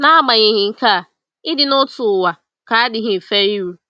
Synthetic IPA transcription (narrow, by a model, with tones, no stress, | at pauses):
na˦a˦ɡ͡ba˨ɲɪ˨ɦɪ˨ŋ̩˨ka˦˨ | ɪ˦dɪ˨nʊ˦tʊ˨wa˨ | ka˨˦a˦dɪ˨ɦɪ˨fe˦i˦ɾu˦